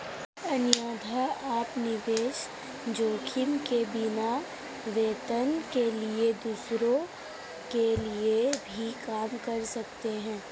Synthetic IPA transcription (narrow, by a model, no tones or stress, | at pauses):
ɐnjaːd̪ʱaaːpnɪʋeːʃ | d͡ʒoːkʰɪmkebɪna | ʋeːt̪ənkelied̪uːsɾõ | keliebʱikaːmkɐɾsɐkt̪eɦɛ̃ː